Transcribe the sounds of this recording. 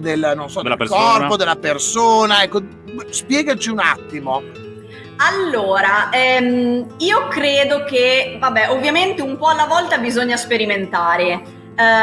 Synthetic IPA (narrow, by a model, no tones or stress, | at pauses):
d̪elnonsɔd̪kɔrppod̪elːapersoːnaɛkːo | spjɛːɡat͡ʃiuna̰t̪ːimo | alːoːɾaɛmiːokɾeːd̪okevabːɛʔovːjament̪eumpɔalːavɔlt̪abizoɲːaspeɾiment̪aːɾe